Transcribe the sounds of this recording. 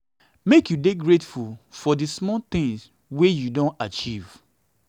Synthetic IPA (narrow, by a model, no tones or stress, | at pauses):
mekjudeɡɹetfulfɔdismɔt̪ĩŋs | wejudõnat͡ʃiv̥